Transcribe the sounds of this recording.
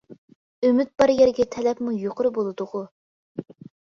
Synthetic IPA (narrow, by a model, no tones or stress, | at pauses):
ømyt̪̚b̥ɑɾjɛɾɡʲɛt̪ʰɛlɛpmujoqʰʊɾɨbolˠɨd̪ʊʁʊ